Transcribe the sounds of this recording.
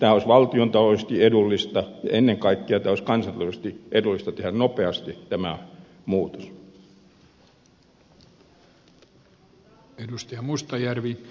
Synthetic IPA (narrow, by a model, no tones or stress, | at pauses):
t̪æːoˑisʋɑlt̪iont̪ɑloˑsest̪iedulːist̪ɑenːeŋkɑikːeɑt̪æːˑoˑiskɑnsɑnt̪ːlˑsest̪iʔedulːist̪ɑt̪ehænnopeɑst̪it̪æmæ | muːt̪o̥s | edust̪ɑjɑmust̪ɑjærʋi